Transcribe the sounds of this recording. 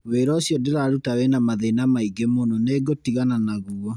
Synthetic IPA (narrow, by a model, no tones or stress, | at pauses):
weːɾɔsjɔdeɾaɾutawenamaðenamaiɡemonɔneːɡotiɣananaɣuɔ